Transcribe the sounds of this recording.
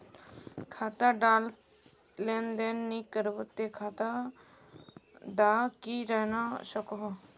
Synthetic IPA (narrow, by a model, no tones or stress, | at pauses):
kʰaːt̪aɖaːl | leːnd̪eːnːikəɾʋət̪ːekʰaːt̪a | ɖaːkiɾɛɦnaʃəkɔɦ